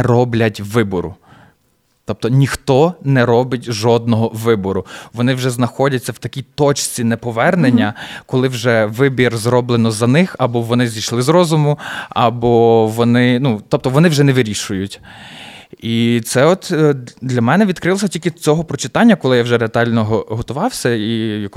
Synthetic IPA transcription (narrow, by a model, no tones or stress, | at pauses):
ɾɔblʲɐtʲʋɪbɔɾʊ̰ | t̪ɔp̚t̪ɔnʲixt̪ɔnɛɾɔbɪtʲʒɔd̪nɔɦɔʋɪbɔɾʊʋɔnɪwʒɛznɐxɔdʲɐt͡sʲːɐwt̪ɐkʲijt̪ɔt͡ʃt͡sʲinɛpɔʋɛrnenʲːɐkɔlˠɪwʒɛʋɪbʲirzrɔblˠenɔzɐnɪxɐbɔʋɔnɪzʲijʃlˠɪzɾɔzʊmʊɐbɔʋɔnɪnut̪ɔp̚t̪ɔʋɔnɪwʒɛnɛʋɪɾʲiʃʊjʊtʲ | it̪sɛɔt̪d̪lʲɐmɛnɛʋʲid̪kɾɪlˠɔs̬ʲɐtʲilʲkʲɪt͡sʲɔɦɔpɾɔt͡ʃɪ̥t̪ɑnʲːɐkɔlˠɪjawʒɛɾeɐt̪ɑlʲnɔɦɦɔt̪ʊʋɑwsʲɐijɐk